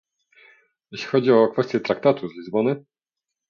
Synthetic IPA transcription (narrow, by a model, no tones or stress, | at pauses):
jeɕʲixɔd͡ʑiɔkfɛst̪ʲjɛt̪ɾak̚t̪at̪uzlʲizbɔnɘ